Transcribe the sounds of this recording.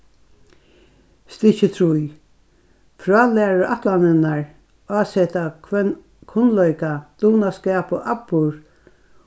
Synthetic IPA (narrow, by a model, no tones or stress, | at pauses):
st̪ɪçət̪ʰɾuj | fɹɑːlæːɹəɹʔat̪lanɪnaɹ | aːsɛt̪a | kʰʊnlœjkad̪̥uːnaskɛːpoʔapːʊɹ